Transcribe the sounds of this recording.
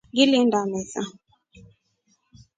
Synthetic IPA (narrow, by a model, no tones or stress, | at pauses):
ŋɡilindamɛza̰